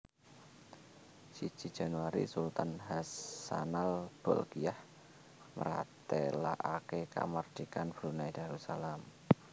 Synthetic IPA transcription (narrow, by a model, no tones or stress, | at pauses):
si̥ʒ̥i̤̥d͡ʒ̥a̤nuwaɾḭsult̪anɦasanalb̥ɔlɡiah | məɾa̰t̪ela̰ʔakeka̰mərd̪̥ikanb̥ɾunaid̪̥a̤ɾusalam